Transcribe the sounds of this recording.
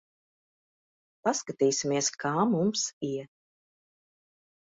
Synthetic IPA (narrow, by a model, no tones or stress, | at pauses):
paskat̪iːsimiɛskʰaːmumsiɛ